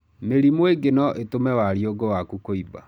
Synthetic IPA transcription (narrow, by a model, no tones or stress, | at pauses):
meɾimweɡenɔʔetomɛwaɾioɡowakukoiba̰